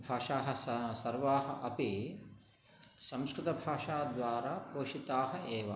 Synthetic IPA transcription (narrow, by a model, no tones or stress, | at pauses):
bʱaːʂaːɦɐ̆ssɐɾʋaːɦɐ̆ʔɐpi | sɐmskɾɪt̪ɐbʱaːʂaːd̪ʋaːɾaːpoːʃit̪aːɦɐ̆eːʋɐ